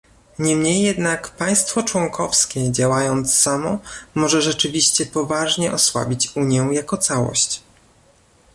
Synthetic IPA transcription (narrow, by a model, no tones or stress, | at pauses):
ɲɛmɲejːɛd̪nakpaj̃st̪fɔt͡ʂwɔŋkʰɔfskʲɛd͡ʑawajɔnt̪sːamɔmɔʐɛʐɛt͡ʂɘvʲiɕt͡ɕɛpɔvaʐɲɛʔɔswa̰bʲit͡ɕuɲjɛw̃jakɔt̪sawɔ̰ɕt͡ɕ